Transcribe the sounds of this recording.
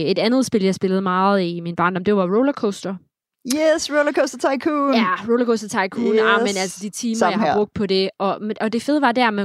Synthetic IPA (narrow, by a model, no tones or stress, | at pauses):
e̝d̥ænð̞̩ˠsb̥e̝ljɑ̈ɪsb̥e̝ləð̩ˠmɑ̈ːð̩ˠiminb̥ɑ̈ɐnɒmd̥e̝ʋɑ̈ʁolɐkʰosd̥ɐ | jɛsʁoʊlɐkʰosd̥ɐt͡sʰɑ̈ɪkʰunjæʁoʊlɐkʰosd̥ɐt͡sʰɑ̈ɪkʰuːnamenælsəd̥it͡sʰiːmahɑ̥̈ʁɔ̽ɡ̥̚d̥̚pʰɒ̽d̥e̝ʔɒ̽ʔɒ̽d̥e̝fe̝ðˠəʋɑ̈d̥æɐmæ